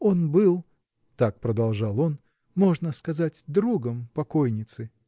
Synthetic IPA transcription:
o̞nbɨlˠ | t̪ak̚pɾəd̪ɐlˠʐɑlˠo̞n | mo̞ʐnəskɐzatʲd̪ɾuɡəmpɐko̞jnʲɪt̪sɨ

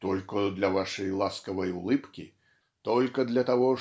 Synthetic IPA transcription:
t̪ɔlʲkɐd̪lʲɐvaʂɐjlˠaskɐvɐjulˠɨpkʲḭ | t̪ɔlʲkɐd̪lʲɐt̪aɣɔ

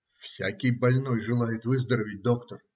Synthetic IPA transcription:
fsʲakʲɪjbɐlʲnojʐɨlˠajɪt̪vɨzd̪əɾəvʲɪt̚ʲd̪o̞kt̪ər

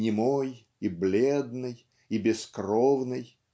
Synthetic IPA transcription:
nʲɪmoj | iblʲed̪nɨj | ibʲɪskrovnɨj

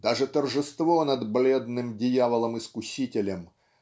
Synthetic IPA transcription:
d̪aʐɨt̪ərʐɨst̪vo̞nɐd̪blʲed̪nɨmdʲɪjavəlˠəmɨskʊɕʲitʲɪlʲəm

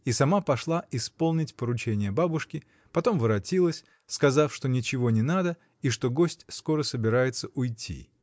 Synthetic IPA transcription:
isɐmapɐʂlˠaʔɪspo̞lˠnʲɪtʲpəɾʊt͡ɕenʲɪjəbabʊʂkʲɪ | pɐt̪o̞mvɨɾɐtʲilˠəsʲ | skɐzafʂt̪o̞nʲɪt͡ɕɪvonʲɪnad̪ə | iʂt̪o̞ɡosʲtʲsko̞ɾəsəbʲɪɾajɪt̪səʔʊjtʲːḭ

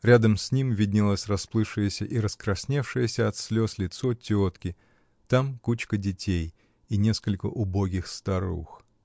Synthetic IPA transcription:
ɾʲad̪əmsʲnʲimvʲɪdʲnʲɪlˠasʲrɐsplˠɨfʂɨjəsʲəʔiɾəskɾɐsʲnʲefʂɨjəsʲəɐt̪sʲlʲo̞slʲɪt̪sotʲot̪kʲɪ | t̪amkut͡ɕkədʲɪtʲej | inʲe̞skəlʲkə̰ʔʊbo̞ɡʲɪxst̪ɐɾṵx

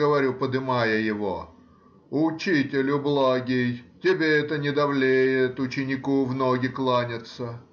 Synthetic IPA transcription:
əʋɐɾʲupəd̪ɨmajəjɪvo | ʊt͡ɕitʲɪlʲʊblˠaɡʲɪjtʲɪbʲeɛt̪ənʲɪd̪ɐvlʲejɪt̪ʊt͡ɕɪnʲɪkuvnoɡʲɪklˠanʲɪt̪sə

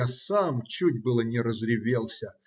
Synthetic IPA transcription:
asamt͡ɕutʲbɨlˠənʲɪɾəzɾʲɪvʲelˠsʲə

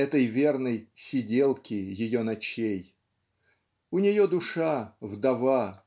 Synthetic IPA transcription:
ɛt̪əjvʲernəjsʲɪdʲelˠkʲɪjɪjonɐt͡ɕej | ʊnʲɪjod̪ʊʂavd̪ɐva

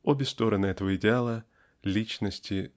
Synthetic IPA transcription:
obʲɪst̪o̞ɾənɨɛt̪əvəɪdʲɪalˠə | lʲit͡ɕnəsʲtʲɪ

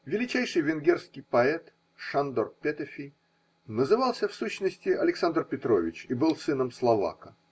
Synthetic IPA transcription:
vʲɪlʲɪt͡ɕæjʂɨjvʲɪnɡʲerskʲɪjpɐɛt̪ | ʂand̪orpʲet̪əfʲij | nəzɨvɑlˠsʲəfsuɕnəsʲtʲɪʔɐlʲɪksand̪rpʲɪt̪ɾovʲɪt͡ɕibɨlˠsɨnəmslˠɐva̰kə

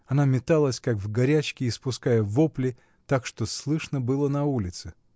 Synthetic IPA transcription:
ɐnamʲɪt̪alˠəsʲkakvɡɐɾʲæt͡ɕkʲɪːspʊskajəvoplʲɪ | t̪akʂt̪oslˠɨʂnəbɨlˠənɐulʲɪt̪sɨ

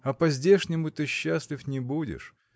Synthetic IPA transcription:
ɐpɐzʲdʲeʂnʲɪmʊt̪ɨɕːasʲlʲɪfnʲɪbudʲɪ̰ʂ

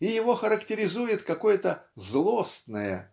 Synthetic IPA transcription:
ɪjɪvo̞xəɾəktʲɪɾʲɪzujɪt̪kɐko̞jət̪əzlˠost̪nəjə̰

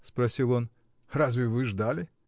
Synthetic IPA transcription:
spɾɐsʲilˠon | razvʲɪvɨʐd̪alʲɪ

